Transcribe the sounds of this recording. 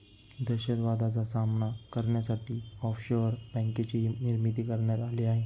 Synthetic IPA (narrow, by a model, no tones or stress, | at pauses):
d̪əɕəd̪ʋad̪at͡sasamnakəɾɳjasaʈiːɔfɕoəɾbɛ̃ŋket͡ɕiniɾmit̪̬iːkəɾɳjaɾaleaɦe